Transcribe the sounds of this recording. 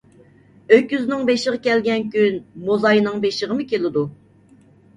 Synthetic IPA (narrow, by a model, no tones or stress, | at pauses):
økʲjyznɪŋbeʃəʁəkʲɛlɡʲɛnkʲynmozɑjnɨŋbeʃəʁəmɨkʲelɪd̪u